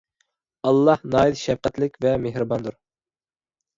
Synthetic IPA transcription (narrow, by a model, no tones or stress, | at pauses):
ɑlˠːɑhnɑːid̪ʃɛfqæt̪lɪkʲvɛmeɦɾɨbɑnd̪uɾ